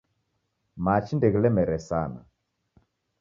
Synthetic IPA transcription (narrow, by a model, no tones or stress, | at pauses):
mat͡ʃindɛɣilɛmɛɾɛsana̰